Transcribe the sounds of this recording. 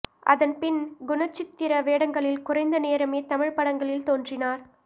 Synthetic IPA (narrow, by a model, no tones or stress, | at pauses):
ʔɐ̰ðɐnpɪnɡʊnɐt͡ʃːɪt̪ːɪɾɐʋeːɽɐŋɡɐɭɪlkʊrɐɪnd̪ɐneːɾɐmeːt̪ɐmɪɻpɐɽɐŋɡɐɭɪlt̪oːndrɪnaːɾ